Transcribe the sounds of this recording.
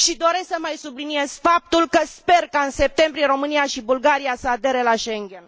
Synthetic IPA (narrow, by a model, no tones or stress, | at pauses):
ʃid̪o̞ɾe̞ssəmajsublinie̞z̥fap̚t̪ulkəspe̞rkaɨnse̞p̚t̪e̞mbɾijeɾo̞mɨniaʃibulɡaɾijasəad̪e̞ɾelaʃe̞ŋɡʲe̞n